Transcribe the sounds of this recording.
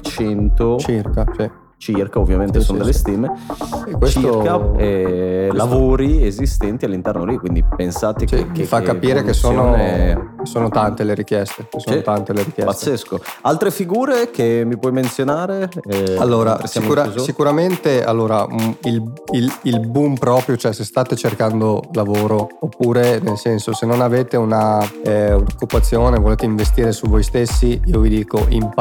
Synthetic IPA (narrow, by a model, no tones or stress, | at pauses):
t͡ʃɛnt̪ot͡ʃirkasi | t͡ʃirkaovːjament̪esonod̪elːest̪iːmekwet͡ʃikaɛlavoːɾiezist̪ɛnt̪ialːint̪ɛrnolikːwind̪ipensaːt̪ekekefakːapiːɾekesːoːnokesoːnot̪ant̪eleɾikjɛst̪ekesont̪ant̪eleɾikjɛpat̪sːeskoalt̪ɾefiɡuːɾek̟emipwɔjment̪sjonaːɾealːoːɾa̰saiuɾasikuɾament̪ea̰lːoːɾailililbumpɾɔːpɾjot͡ʃoɛsest̪aːt̪et͡ʃerkand̪olavoːɾoopːuːɾenelsɛnsosenːonaveːt̪euna | unokːupːat̪sːjoːnevoleːt̪eiɱvest̪iːɾesuvojst̪esːiiːovid̪iːkoʔḭm